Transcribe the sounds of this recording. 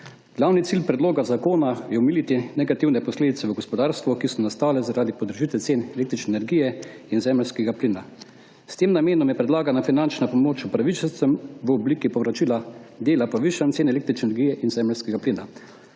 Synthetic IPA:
ɡ̥lawnit̪silpɾɛd̪loːɡazakoːnajɛɔmilit̪inɛɡat̪iwnɛpɔsleːd̪it̪sɛʋəɡɔspɔd̪aːɾst̪ʋɔkisɔnast̪aːlɛzaɾaːd̪ipɔd̪ɾʒit̪ɛlt̪seːnɛleːk̚t̪ɾit͡ʃnɛnɛɾɡijɛ | inzɛmɛlskɛɡapliːna | st̪eːmnameːnɔmjɛpɾɛd̪laːɡanafinant͡ʃnapɔmoːt͡ʃupɾaʋit͡ʃəlt̪səmʋəɔbliːkipɔʋɾat͡ʃiːlad̪eːlapɔʋiʃant̪seːnɛleːk̚t̪ɾit͡ʃnɛnɛɾɡijɛʔinzɛməlskɛɡapliːna

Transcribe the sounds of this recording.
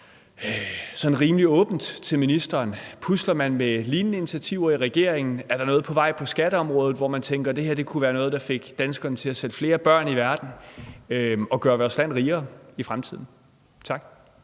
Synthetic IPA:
sɒ̽nʁiːmliɔ̽ːb̥n̩d̥t͡sʰe̝lminisd̥ɐːnpʰuslɐmænmeliːnːəint͡sʰæt͡sʰiʊ̰ɐiʁɛɡ̥e̝ɐ̰eŋn̩æɐɾɑ̈nɔ̽ːð̞̩ˠpʰɒ̽ʋɑ̈ɪ̰pʰɒ̽sɡ̥æɾ̥əɒ̽mʁɔ̽ːð̞ˠð̩ˠʋɒmænt͡sʰeŋɡ̥ɐd̥e̝heɐd̥e̝kʰuʋæːɐnɔ̽ːð̞̩ˠd̥ɑ̈fe̝ɡ̥d̥ænsɡ̥ɐnət͡sʰe̝læsel̥fle̝ːɐb̥ɶɐ̰niʋæɐd̥n̩øɒ̽ɡ̥ɶːɐʋɒɐslæn̰ʁiːɐːifʁamt͡sʰið̞̰ˠn̩ | t͡sʰɑ̈ɡ̥

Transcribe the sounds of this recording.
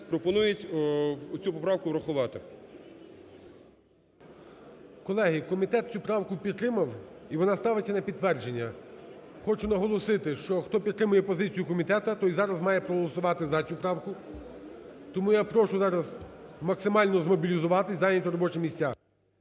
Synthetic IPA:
pɾɔpɔnujɪtʲ | t͡sʲupɔpɾɑwkʊʋɾɐxʊʋɑt̪ɪ | kɔlˠɛɦikɔmʲit̪ɛt̪̚t͡sʲupɾɑwkʊpʲid̪t̪ːɾɪmɐwiʋɔnɑst̪ɑʋɪt͡sʲːɐnɐpʲid̪t̪ːʋɛrd͡ʒenʲːɐ | xɔt͡ʃʊnɐɦɔlˠɔsɪt̪ɪʃt͡ʃɔxt̪ɔpʲid̪ɾɪmʊjɛpɔzɪt͡sʲijʊkɔmʲit̪ɛt̪ɐt̪ɔjzɑɾɐzmɑjɛpɾɔɦɔlˠɔsʊʋɑt̪ɪzɐt͡sʲupɾɑwkʊ | t̪ɔmujapɾɔʃʊzɑɾɐzmɐksɪmɑlʲnɔzmɔbʲilʲizʊʋɑt̪ɪsʲɑjnʲɐtʲʊɾɔbɔt͡ʃɪmʲisʲtʲːa

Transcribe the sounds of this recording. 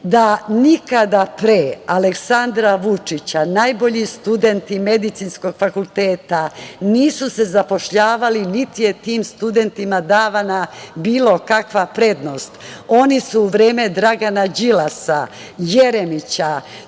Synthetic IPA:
d̪anikad̪apɾeːaleksand̪ɾaʋut͡ʂit͡ɕanajbo̞ʎist̪ud̪e̞nt̪ime̞d̪it̪sinsko̞ɡ̥fakulˠt̪eːt̪aniːsuse̞zapo̞ʃʎaːʋalinit̪ijet̪iːmst̪ud̪e̞nt̪imad̪aːʋanabiːlˠo̞kakʋapɾe̞d̪no̞st̪o̞nisuːʋɾeːme̞d̪ɾaɡanad͡ʑilasa̰ | jeɾemit͡ɕa

